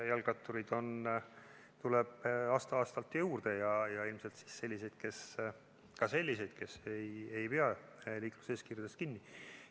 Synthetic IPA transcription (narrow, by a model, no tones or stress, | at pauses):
jɑlɡ̥ɑt̪ːˑuɾid̪̥o̞n | t̪uleb̥ɑːst̪ɑɑːst̪ɑlt̪ːjuːrd̪̥ejɑjɑilmse̞lt̪si̥sːe̞lʲːise̞jd̪̥̚ke̞s | kɑse̞lʲːise̞jd̪̥ke̞seje̞jpeɑliːklu̥seːskirjud̪̥eskinːi